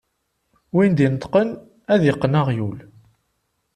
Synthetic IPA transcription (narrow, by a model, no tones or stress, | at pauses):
wind̪inət̪qən | æðjɪqːənaʁjul